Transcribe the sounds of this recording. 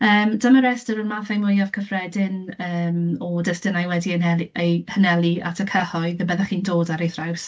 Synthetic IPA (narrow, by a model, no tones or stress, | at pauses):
əːmdəməɾɛstəɾənmaːθajmʊjav̥kʰəfrɛdɪnəːmɔdəstɪnajwɛdiənɛlejhənɛlˠia̰tʰəkʰəhɔɨðəbɛðaχiːndoːdaɾejθraws